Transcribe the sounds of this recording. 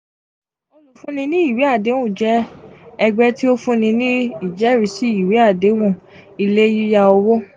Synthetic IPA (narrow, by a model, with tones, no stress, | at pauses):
ollo˨fũ˦nĩ˧nĩ˦i˦˨wi˨˦a˦˨de˨˦wũ˦˨d͡ʒɛ˦ɛ˧ɡ͡bɛ˦ti˦o˦fũ˦nĩ˧nĩ˦i˦˨d͡ʒɛ˨˦˨ɾi˨˦si˦i˨wi˨˦a˦˨de˨˦wũ˦˨ | i˧le˦ji˦ja˧o˧wo˦